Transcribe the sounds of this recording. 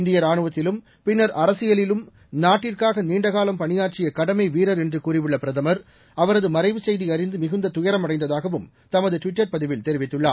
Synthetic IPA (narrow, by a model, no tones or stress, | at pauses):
ɪnd̪ɪjɐɾaːɳɯʋɐt̪ːɪlɯm | pɪnːɐɾɐɾɐsɪjɐɭɪlɯm | naːʈːɪrkaːɣɐniːɳɖɐɣaːlɐmpɐnɪjaːt͡ʃɪjɐkɐɽɐmɐɪʋiːɾɐɾɛndrɯkuːrɪʋɪɭːɐpɪɾɐðɐmɐɾ | ɐʋɐɾɐðɯmɐɾɐɪʋɯsɛjðiɐɾɪnd̪ɯmɪɣɯnd̪ɐt̪ʊjɐɾɐmɐɽɐɪnd̪ɐðaːɣɐʋɯm | t̪ɐmɐðɯʈʋɪʈːɐɾpɐðɪʋɪlt̪ɛɾɪʋɪt̪ːɯɭːa̰ːɾ